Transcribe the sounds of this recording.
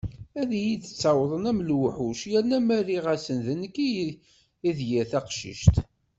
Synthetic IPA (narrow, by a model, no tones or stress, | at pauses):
æðijiθə̥t͡sːawəðˤənæmlwəħuʃjænæmæriʁæsənðənəkːi | iðjæθæqʃḭʃt̪